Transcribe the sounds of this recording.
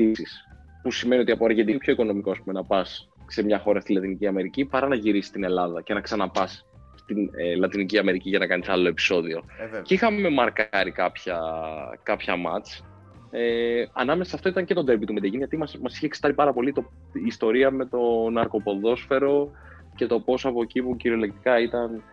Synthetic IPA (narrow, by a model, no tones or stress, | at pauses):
t̪isis | pusime̞nio̞t̪iɐpoɐɾʝed̪inipçoiko̞no̞mikoɐspume̞nɐpɐs | semɲɐxo̞ɾɐst̪ilɐt̪iniciɐme̞ɾicipɐɾɐnɐʝiɾisi̥st̪ine̞lɐðɐce̞nɐksɐnɐpɐs | st̪inelɐt̪iniciɐme̞ɾiciʝɐnɐkɐnisɐlo̞e̞pi̥so̞ðio̞cixɐme̞mɐɾkɐɾikɐpçɐkɐpçɐmɐ̰t͡s | eɐ̰nɐmesesɐft̪o̞it̪ɐɲce̞t̪o̞d̪e̞mbit̪umed̪eʝinʝɐt̪imɐmɐsiçeksi̥t̪ɐɾipɐɾɐpo̞lit̪oː | st̪o̞ɾiɐme̞t̪o̞nɐɾko̞po̞ðo̞sfe̞ɾo̞ | ce̞t̪o̞po̞sɐpo̞ecipuciɾio̞lek̚t̪ikɐit̪ɐn